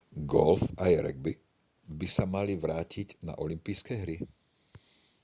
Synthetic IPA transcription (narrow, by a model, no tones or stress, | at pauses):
ɡɔ̰lfajɾɛ̰ɡ̚bi | bisamaliʋɾaːcʰiɟna̰ʔɔlimpijskɛɦɾi